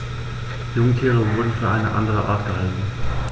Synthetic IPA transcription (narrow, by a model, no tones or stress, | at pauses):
jʊŋkʰiːʁəvʊɐdn̩fyːɐʔaɪnəʔa̰ndəʁ̞əʔa̰ɐtɡ̥əhaltn̩